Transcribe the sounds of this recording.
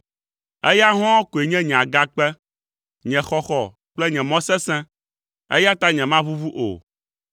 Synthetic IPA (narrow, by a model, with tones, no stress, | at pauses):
ɛ˦ja˦ɦɔ̃˦wɔ˦ko˨e˨ɲɛ̃˦ɲɛ̃˨a˨ɡa˦k͡pɛ˦ | ɲɛ̃˨xɔ˦xɔ˨ | k͡plɛ˦ɲɛ̃˨mɔ̃˦sɛ̃˦sɛ̃˦ | ḛ˦ja˦t̪a˦ɲɛ̃˨mã˦βu˦vu˦ʔo̰˨